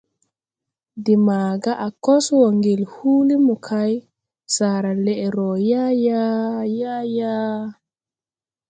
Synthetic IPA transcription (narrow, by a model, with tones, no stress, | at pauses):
di˨ma˨ɡa˦ʔa˨kɔ˦swɔ˨ŋɡi˨lhuː˦li˦mu˨kʰa˦j | sa˨ɾa˨lɛ˦ʔe˨ɾɔ˨ja˦ja˦ja˦ja˦